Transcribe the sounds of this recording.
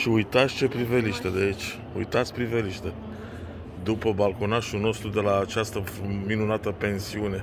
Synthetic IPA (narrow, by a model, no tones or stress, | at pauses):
ʃiujt̪at̪sʲt͡ʃe̞pɾiveliʃt̪əd̪eit͡ʃʲ | ṵjt̪at̪sʲpɾiveliʃt̪ə | d̪upəbalkonaʃuno̞st̪ɾud̪e̞laːt͡ʃast̪əminunat̪əpe̞nsiune̞